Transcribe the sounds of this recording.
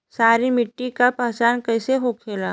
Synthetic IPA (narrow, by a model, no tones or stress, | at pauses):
saːɾimɪʈːikapaːt͡ʃaːnkɐjseɦokʰeːlaː